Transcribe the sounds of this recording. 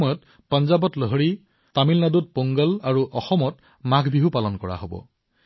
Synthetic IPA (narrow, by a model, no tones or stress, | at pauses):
ɔjɔt | panzabɔtlɔɦɔɹi | tamilnadut̚poŋɡalaɹuʔɔxɔmɔt | maɡʱbiɦupalɔnkɔɹa̰ɦobɔ̰